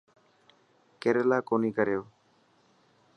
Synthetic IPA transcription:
keɾelaːkoːniːkəɾejoː

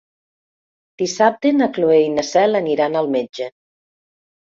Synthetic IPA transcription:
d̪̥isap̚t̪enakloejnasɛləniɾanəlˠmed͡ʒe

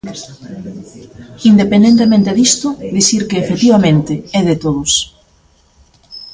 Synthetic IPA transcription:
ind̪epend̪ent̪emẽnt̪eðist̪ʊd̪isiɾkeːfet̪iβ̞amẽnt̪ɪɛðet̪oðʊs

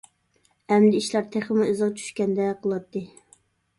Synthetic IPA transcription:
ɛmd̪ɪiʃlˠɑɾt̪ʰeχəmʊøzʁɑt͡ʃʰy̥ʃkʲɛnd̪ɛqʰəlˠɑt̪ːɨ

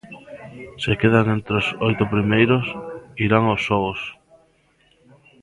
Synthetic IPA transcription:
sekeðaŋent̪ɾosojt̪ʊpɾimejɾosiɾaŋosːɔɣos

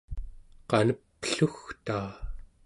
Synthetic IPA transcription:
qɑnəpːə̥ɬuxt̪aː

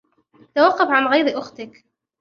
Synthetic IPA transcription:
t̪awɑqːɑfʕanɣajɾʔʊxt̪ɪk

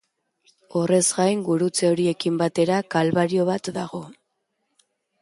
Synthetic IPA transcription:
o̞re̞zɡajŋɡuɾut͡seo̞ɾie̞kimbat̪e̞ɾakalβaɾio̞β̞at̪d̪aɣo̞

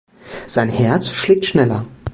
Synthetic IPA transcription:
z̥aɪnhɛɐt͡sʃlɪːk̚tʃnɛlɐ̰

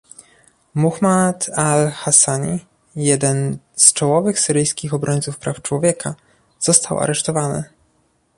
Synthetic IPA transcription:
muxmat̪alxasaɲi | jɛd̪ɛn | st͡ʂɔwɔvɘxsɘɾɘjskʲixɔbɾɔɲt̪sufpɾaft͡ʂwɔvʲjɛkʰa | z̥ɔst̪awʔa̰ɾɛʂt̪ɔvanɘ̰

